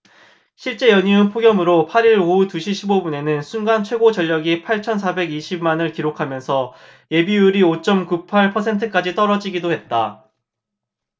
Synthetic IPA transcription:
ɕʰiɭt͡ɕ͈e̞jʌɲiunpʰoɡjʌmɯɾopʰaɾiɾoutuɕʰiɕʰibobune̞nɯnsʰunɡant͡ɕʰwe̞ɡot͡ɕʌʎːʌɡipʰaɭt͡ɕʰʌnsʰabe̞ɡiɕʰimmanɯɭkiɾokʰamjʌnsʰʌ | je̞bijuɾiot͡ɕ͈ʌmkupʰaɭpʰʌsʰe̞ntʰɯk͈ad͡ʑit͈ʌɾʌd͡ʑiɡidohe̞t̚t͈a

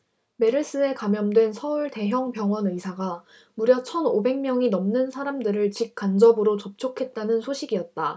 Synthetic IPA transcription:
me̞ɾɯs͈ɯe̞kamjʌmdwe̞nsʰʌuɭte̞ɦjʌŋpjʌŋwʌnɯsʰaɡa | muɾjʌt͡ɕʰʌnobe̞ŋmjʌŋinʌmnɯnsʰaɾamdɯɾɯɭt͡ɕik̚k͈and͡ʑʌbɯɾot͡ɕʌp̚t͡ɕʰokʰe̞t̚t͈anɯnsʰoɕʰiɡijʌt̚t͈a

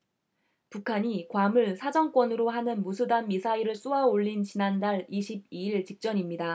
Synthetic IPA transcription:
pukʰaɲikwamɯɭsʰad͡ʑʌŋk͈wʌnɯɾoɦanɯnmusʰudanmisʰaiɾɯɭs͈uaoʎːint͡ɕinandaɭiɕʰib̚iiɭt͡ɕik̚t͡ɕ͈ʌɲimɲida

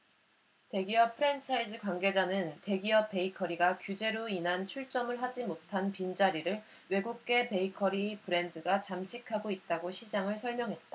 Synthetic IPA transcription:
te̞ɡiʌpʰɯɾe̞nt͡ɕʰaid͡ʑɯkwaŋɡe̞d͡ʑanɯnte̞ɡiʌp͈ːe̞ikʰʌɾiɡakjud͡ʑe̞ɾoinɦant͡ɕʰuɭt͡ɕ͈ʌmɯɭɦad͡ʑimotʰanpind͡ʑaɾiɾɯɭ | we̞ɡuk̚k͈e̞pe̞ikʰʌɾipɯɾe̞ndɯɡat͡ɕamɕʰikʰaɡoit̚t͈aɡoɕʰid͡ʑaŋɯɭsʰʌɭmjʌŋɦe̞t̚t͈a

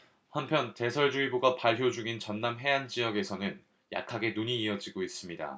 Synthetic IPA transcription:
hanpʰjʌnte̞sʰʌɭd͡ʑuiboɡapaɭpʰjod͡ʑuɡint͡ɕʌnːamɦe̞and͡ʑiʌɡe̞sʰʌnɯn | jʔa̰kʰaɡe̞nuɲiːʌd͡ʑiɡois͈ɯmɲida̰

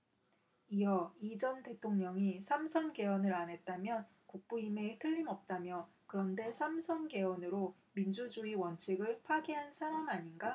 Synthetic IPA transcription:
ijʌid͡ʑʌnte̞tʰoŋɲʌŋisʰamsʰʌnɡe̞wʌnɯɾanɦe̞t̚t͈amjʌn | kuk̚p͈uime̞tʰɯʎːimʌp̚t͈amjʌ | kɯɾʌnde̞sʰamsʰʌnɡe̞ʌnɯɾo | mind͡ʑud͡ʑuiwʌnt͡ɕʰiɡɯɭpʰaɡiɦansʰaɾamaɲinɡa

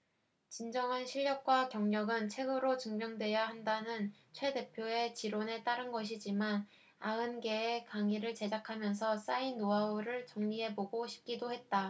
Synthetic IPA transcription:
t͡ɕind͡ʑʌŋɦanɕʰiʎːjʌk̚k͈wakjʌŋɲʌɡɯnt͡ɕʰe̞ɡɯɾot͡ɕɯŋmjʌŋdwe̞jaɦandanɯnt͡ɕʰwe̞de̞pʰjoe̞t͡ɕiɾone̞t͈aɾɯnɡʌɕ̬ʰid͡ʑiman | aɯnɡe̞ːkaŋiɾɯɭt͡ɕe̞d͡ʑakʰamjʌns̬ʰʌs͈ainnːoaoɾɯɭt͡ɕʌŋɲie̞poɡoɕʰi̥p̚k͈idohe̞t̚t͈a

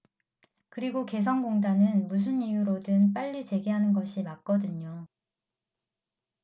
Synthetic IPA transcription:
kɯɾiɡoke̞s̬ʰʌnɡoŋdanɯnmus̬ʰɯnijuɾodɯnp͈aʎːit͡ɕe̞ɡeɦanɯnɡʌɕʰimak̚k͈ʌdɯɲo

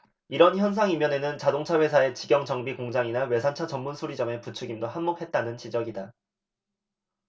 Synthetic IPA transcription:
iɾʌnçjʌns̬ʰaŋimjʌne̞nɯnt͡ɕadoŋt͡ɕʰaɸwe̞sʰae̞t͡ɕiɡjʌŋd͡ʑʌŋbikoŋd͡ʑaŋinawe̞sʰant͡ɕʰat͡ɕʌmːunsʰoɾid͡ʑʌme̞put͡ɕʰɯɡimdoɦanmok̚he̞t̚t͈anɯnt͡ɕid͡ʑʌɡida

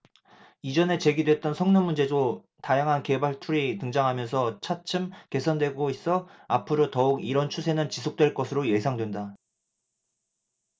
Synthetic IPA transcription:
id͡ʑʌne̞t͡ɕe̞ɡidwe̞t̚t͈ʌnsʰʌŋnomːund͡ʑe̞do | tajaŋɦanke̞baɭtʰuɾitɯŋd͡ʑaŋɦamjʌnsʰʌt͡ɕʰat͡ɕʰɯmke̞sʰʌndweɡois͈ʌapʰɯɾotʌuɡiɾʌnt͡ɕʰusʰe̞nɯnt͡ɕis̬ʰok̚t͈weɭk͈ʌsʰɯɾoje̞sʰaŋdwe̞nda

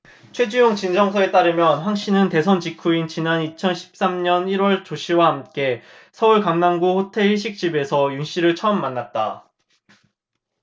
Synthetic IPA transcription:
t͡ɕʰwe̞d͡ʑujoŋt͡ɕind͡ʑʌŋsʰʌe̞t͈aɾɯmjʌnɸwaŋɕ͈ʰinɯnte̞sʰʌnt͡ɕikʰuint͡ɕinanit͡ɕʰʌnɕʰi̥p̚s͈amɲʌniɾwʌɭt͡ɕoɕʰiwahamk͈e̞ | sʰʌuɭkaŋnaŋɡuɸotʰe̞ɭiɕʰik̚t͡ɕ͈ibe̞sʰʌjuŋɕ͈iɾɯɭt͡ɕʰʌmːanːat̚t͈a̰

